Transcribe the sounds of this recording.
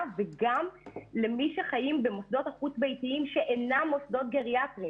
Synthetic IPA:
veɡamle̞miʃeχajimbemosd̪o̞t̪aχutbe̞jtiimʃe̞ʔenamːo̞sd̪o̞t̪̚ɡeʁiatʁi

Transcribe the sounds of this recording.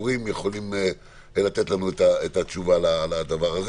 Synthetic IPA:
ʁimjeχo̞lim | lat̪et̪lanuet̪aet̪at͡ʃuvalalad̪avaʁhaz

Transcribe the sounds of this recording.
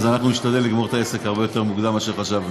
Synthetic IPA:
zanaχnuniʃt̪ad̪e̞lːiɡmo̞et̪aese̞khaʁbe̞jot̪e̞ʁmuɡd̪amaʃeʁχaʃav

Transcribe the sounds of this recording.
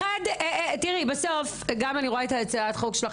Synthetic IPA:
adetiʁibeso̞f | ɡamaniʁoaetat͡saatχokʃela

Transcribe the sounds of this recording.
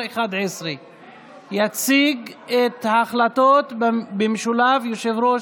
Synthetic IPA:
eχad̪ʕesʁi | jat͡siɡet̪haːχlat̪ot̪bemʃulavjoʃevɾo

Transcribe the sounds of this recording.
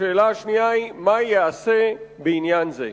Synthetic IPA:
eːlaːʃnijaːimajjaːsebiːnjaːnzḛ

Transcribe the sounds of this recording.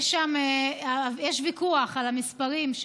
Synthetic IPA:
ʃameajɛʃvikuaχalhamispaʁimʃ

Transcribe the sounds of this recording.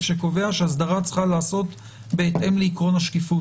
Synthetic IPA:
ʃeko̞ve̞aʃeas̬d̪aʁat͡sχalaːso̞t | be̞ːt̪ʔe̞mleikʁo̞naʃkifu

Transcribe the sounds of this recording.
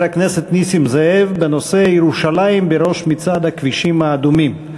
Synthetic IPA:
ɾakneset̪nisimzehevbeno̞seajeɾuʃalaimbeɾo̞ʃmit͡sad̪hakviʃimhaːd̪umim

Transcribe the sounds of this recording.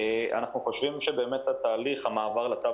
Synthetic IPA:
ʔa̰naχnuχo̞ʃvimʃebe̞ːmet̪hat̪aːliχhamaːvaʁlat̪a

